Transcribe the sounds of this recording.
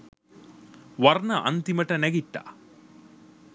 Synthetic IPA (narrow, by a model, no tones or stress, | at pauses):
ʋɐrnɐʔɐ̰nt̪imɐʈɐnɛɡiʈ̪ːa̰ː